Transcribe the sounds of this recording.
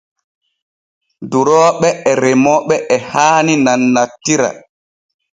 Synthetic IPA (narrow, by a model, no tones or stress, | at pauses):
duɾɔːɓɛɛɾɛmɔɓɛʔɛhaːninanːatːiɾa̰